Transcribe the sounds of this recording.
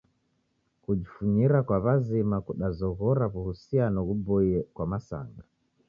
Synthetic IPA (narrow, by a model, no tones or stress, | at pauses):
kud͡ʒifuɲiɾakwaβazimakuɗazɔɣɔɾaβuhusianɔɣubɔiɛkwamasa̰ŋɡa